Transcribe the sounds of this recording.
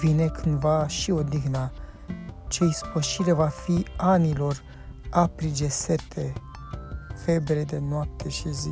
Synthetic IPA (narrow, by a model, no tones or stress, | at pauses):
vine̞kʰɨnd̪vaʃio̞d̪iɣna | t͡ʃeispəʃiɾevafianilo̞r | apɾid͡ʒe̞set̪ʰe | fe̞bɾed̪e̞noap̚t̪ʰe̞ʃizi